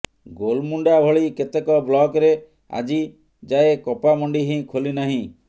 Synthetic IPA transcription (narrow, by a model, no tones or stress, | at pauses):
ɡolmuɳɖabʱɔɭiket̪ekɔblɔɡɾe | a̰d͡ʒi | d͡ʒaekɔpamɔɳɖiɦĩkʰolinaɦĩ